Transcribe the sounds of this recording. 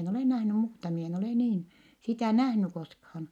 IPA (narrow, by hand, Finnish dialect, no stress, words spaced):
en oleˑ næhny muːtɑ mi en oleˑ niːn sitæˑ næhny koskhɑːn